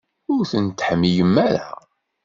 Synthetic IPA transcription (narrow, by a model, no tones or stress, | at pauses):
ʊɾθənt̪ːħəmːijəmːæɾa̰